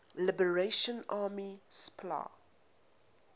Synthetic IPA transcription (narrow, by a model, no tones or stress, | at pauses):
lɪbəɹeʃə̃naːmispʰla̰ː